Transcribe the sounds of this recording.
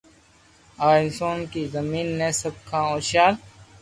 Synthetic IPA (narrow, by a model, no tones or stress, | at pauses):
aːɪnsoːnkiːzɐmiːnːẽːsɐb̚kʰãːoːʃaːl